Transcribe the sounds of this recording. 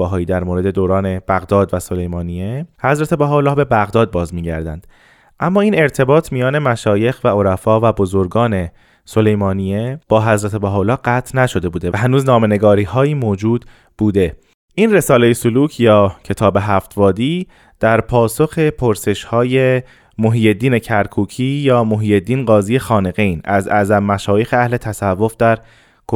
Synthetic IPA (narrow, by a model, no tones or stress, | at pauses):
æɦɒːjiːd̪æɾmoːɾe̞d̪e̞d̪oːɾɒːne̞b̥æɣd̪ɒːd̪væso̞le̞jmɒːnijehæzɾæt̪ʰe̞bæɦɒːlɒːhbe̞bæɣd̪ɒːd̪̚bɒːzmiːɟæ̰ɾd̪æ̰nd̪̥ | ʔæmːɒːiːne̞ɾt̪ʰe̞bɒːt̪ʰmijɒːne̞mæʃɒːje̞xvæo̞ɾæfɒːvæbo̞zo̞ɾɡɒːne̞ | so̞le̞jmɒːnieb̥ɒːɦæzɾæt̪ʰe̞bæɦɒːlɒːɡæːt̪ʰnæʃo̞d̪e̞buːd̪eɦænuːznɒːme̞ne̞ɡɒːɾiːhɒːjiːmoːd͡ʒuːd̪ | b̥uːd̪e̞ | ʔinre̞sɒːlejesoluːcʰjɒːcʰe̞t̪ʰɒːbe̞ɦæft̪vɒːd̪iː | d̪̥æɾpʰɒːso̞xe̞pʰoɾse̞ʃhɒːje̞ | moɦiːje̞d̪ːiːne̞cʰæɾkʰuːcʰiːjɒːmoɦiːje̞d̪ːiːnɢɒːziːje̞xɒːne̞ɣejnæzæ̰zæmːæʃɒːjexeæhle̞t̪ʰæsævːo̞fd̪æɾ | kʰo